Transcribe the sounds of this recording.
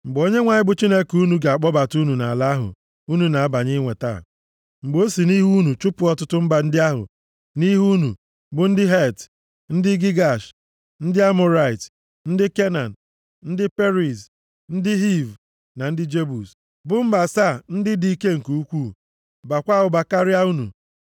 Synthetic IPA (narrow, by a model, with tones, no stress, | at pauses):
ŋ͡m̩˨ɡ͡bo˦ɲe˦ŋʷa˨ɲɪ˦bʊ˦t͡ʃi˦ne˦ku˦nu˨ɡa˨a˨k͡pɔ˦ba˨tu˦nu˨na˨la˦ɦʊ̰˨ | u˦nu˨na˨a˦ba˨ɲɪ˦ŋʷe˨ta̰˦˨ | ŋ͡m̩˨ɡ͡bo˦si˨ni˦ɦu˦nu˨t͡ʃʊ˦pʊ˨˦ɔ˦tʊ˦tʊ˦m̩˦ba˨n̩˦dɪ˦a˦ɦʊ̰˨ | ni˦ɦu˦nṵ˨ | bʊ˨n̩˦dɪ˦ɦe˦˨t | n̩˦dɪ˦ɡi˦ɡa˨ʃ | n̩˦dɪ˦a˦mʊ˨ɾa˨ɪ˨t | n̩˦dɪ˦ke˦na˨n̩˨ | n̩˦dɪ˦pe˦ɾi˨s | n̩˦dɪ˦ɦi˦˨v | na˨n̩˦dɪ˦d͡ʒe˦bu˨s | bʊ˦m̩˦ba˨sa˦˨n̩˦dɪ˦di˦ke˦ŋ̩˨ku˨u˦kʷu˦ | ba˨kʷa˦ɦʊ˨ba˨ka˦ɾɪ˦a˦u˦nṵ˨